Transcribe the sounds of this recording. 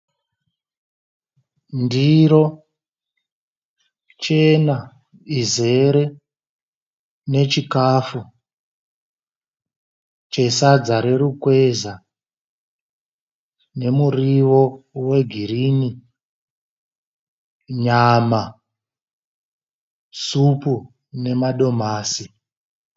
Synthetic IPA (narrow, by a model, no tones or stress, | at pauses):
ndiɾo̞ | t͡ʃe̞na | ize̞ɾe̞ | ne̞t͡ʃikafu | t͡ʃe̞sad͡zaɾe̞ɾukwe̞za | ne̞muriʋo̞we̞ɡʱirini | ɲama | supu | ne̞maɗo̞maːsi